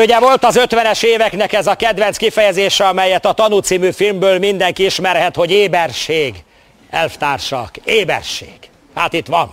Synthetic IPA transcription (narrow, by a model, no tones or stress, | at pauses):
uɟɛvo̞lt̪ɒzøt̪ʋɛnɛʃeːvɛknɛkɛzɒkɛd̪ʋɛnt̪skifɛjɛzeːʃɛɒmɛjːɛt̪ɒt̪ɒnut̪siːmyfilmbøːlmind̪ɛŋkiiʃmɛrɦɛt̪ho̞ɟeːbɛrʃeːɡ | ɛlft̪aːrʃɒ̰keːbɛ̰rʃḛːɡ̥ | haːt̪it̪ʋɒn